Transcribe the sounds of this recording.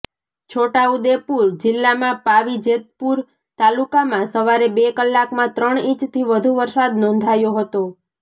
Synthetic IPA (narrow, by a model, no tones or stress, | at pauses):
t͡ʃʰoʈaud̪epuɾd͡ʒɪlːamãpaʋid͡ʒet̪̚puɾ | t̪alukamãsəʋaɾebekəlːakmãt̪ɾəɳ̃ĩt͡ʃt̪ʰiʋəd̪ʱuʋəɾsad̪nɔ̃nd̪ʱajoɦət̪o